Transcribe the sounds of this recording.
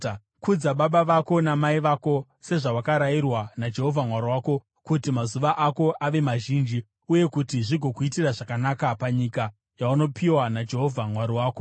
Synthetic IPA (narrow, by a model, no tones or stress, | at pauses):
kud͡zaɓaɓaʋako̞namaiʋaːko̞ | se̞ʐawakaɾajirwanad͡ʒe̞ɦo̞vʱamwaɾiwaːko̞ | kutimazuʋaʔako̞ʔaʋe̞maʒiːnd͡ʒi | uje̞kutiʐiɡʱo̞kuitiraʐakanakapaɲika | jauno̞pʰiwanad͡ʒe̞ɦo̞vʱamwaɾiwaːko